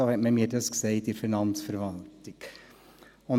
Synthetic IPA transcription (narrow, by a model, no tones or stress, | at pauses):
ohɛtmɛmiːdəsksɛɪt̪iɾfinɑnsfəɾvɑlt̪ɪŋ | ɔ